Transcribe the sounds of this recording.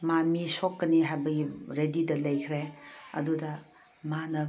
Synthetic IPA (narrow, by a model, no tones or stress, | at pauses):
mamisokːɐniɦajbɐɡiɾedidɐlɐjkʰɾeɐ̰dudɐ | manɐ